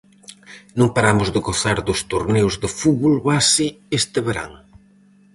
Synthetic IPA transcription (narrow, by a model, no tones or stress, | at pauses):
nõŋpaɾamʊzðɪɣoθaɾðʊst̪uɾnewzðɪfuβolβasiest̪ɪβeɾa̰ŋ